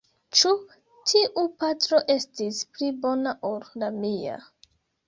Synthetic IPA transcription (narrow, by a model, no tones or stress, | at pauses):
t͡ʃu | tʰiʔupatɾo̞ʔe̞stisplibo̞naʔollamia̰